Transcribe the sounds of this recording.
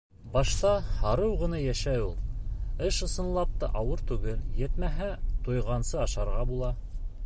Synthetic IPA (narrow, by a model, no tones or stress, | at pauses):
bɑʃt̪ɑhɑɾɤwʁɤ̆nɑjæʃæjulˠɘʃɤ̆sɤ̆nlˠɑp̚t̪ɤʔɑwɤɾt̪ʉɡɘljɘ̆t̪mæɦæt̪ujʁɑnsɤɑʃɑɾʁɑbulˠɑ